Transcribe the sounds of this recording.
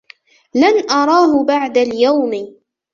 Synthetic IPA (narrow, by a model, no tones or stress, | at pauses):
lanʔɑɾˤɑːɦʊbaʕd̪aljawmɪ